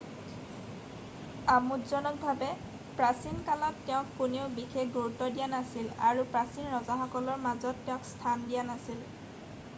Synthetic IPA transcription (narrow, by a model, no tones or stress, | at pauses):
amutzɔnɔk̚bʱabɛ | pɹasinkalɔtːɛʊ̃kːuneʊbixexɡuɹutɔdijanasilaɹupɹasinɹɔzaxɔkɔlɔɹmazɔtːɛʊ̃kstʰandijanasil